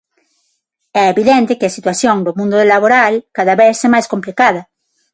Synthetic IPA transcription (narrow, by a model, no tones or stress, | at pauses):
ɛeβiðɛnt̪ekɪasit̪waθjoŋd̪omũnd̪oðelaβoɾalkaðaβeθsemajskomplikaðɐ